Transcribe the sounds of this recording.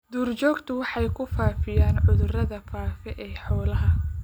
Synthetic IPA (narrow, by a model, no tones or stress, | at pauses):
d̪̥uːrt͡ʃɔːɡt̪ʰʊwɑħɑjkʰʊfaːfɪjaːnʕʊðʊrɐðɐfaːfɛʔɛːħɔːlɐɦɐ